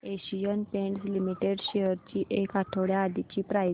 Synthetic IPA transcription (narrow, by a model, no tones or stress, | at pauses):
eɕijənpẽɳʈslimiʈeɽɕejəɾt͡ɕiːʔekaʈʰəʋɽjaːd̪it͡ɕiːpɾaj